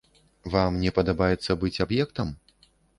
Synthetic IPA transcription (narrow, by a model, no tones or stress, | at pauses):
vamnʲɛpɐd̪abajɛt̪sːɐbɨt͡sʲabjɛkt̪ɐm